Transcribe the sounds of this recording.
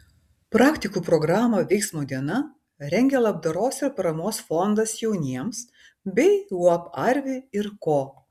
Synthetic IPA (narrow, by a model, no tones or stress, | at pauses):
pɾɑːkʲt̪ʲɪkuːpɾɔɡɾɑːmoʋʲɛɪksmoːd̪ʲiɛnɐ | ɾʲɛŋʲɡʲelˠɐbd̪ɐɾoːsɪɾpɐɾɐmoːsfɔnd̪ɐsjɛʊnʲiɛms | bʲɛɪuɔpɐɾʲʋʲɪɪɾkoː